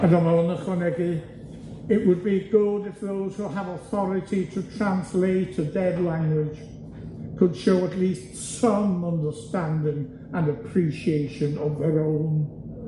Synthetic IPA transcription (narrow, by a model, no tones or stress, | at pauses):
ədəməlˠənəχwənɛɡi | ɪʔwəd̚biɡʊdɪfðoʊz̥huəvəθɔɹɪtʰitʰətʰɹ̥ãnsleɪtədɛdˡlãŋɡwɪd̥ʒ̥ | kʰəd̥ʃoʊətˡliˑst | sʌ̃mʌ̃ndəstãndɪ̃ŋ | ə̃nəpʰɹ̥iʃieɪʃə̃nəvðəɹõʊ̃n